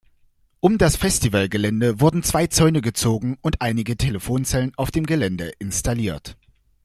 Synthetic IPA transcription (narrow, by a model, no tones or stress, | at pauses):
ʔʊmdasfɛstivalɡəlɛndəvʊɐdn̩t͡sv̥aɪt͡sɔʏnəɡət͡soːɡŋ̩ʊntʔaɪnɪɡətʰeləfoːnt͡sɛlənʔaʊfd̥eːmɡəlɛndəʔɪnstaliːɐt